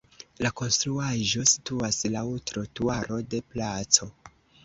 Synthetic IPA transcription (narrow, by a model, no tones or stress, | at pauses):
lako̞nstɾuaʒo̞si̥tuaslautɾotuaɾo̞de̞plat͡so̞